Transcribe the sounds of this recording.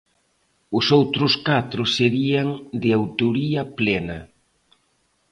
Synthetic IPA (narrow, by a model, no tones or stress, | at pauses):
ʊsowt̪ɾʊskat̪ɾʊseɾiɐŋd̪ɪawt̪oɾiɐplɛnɐ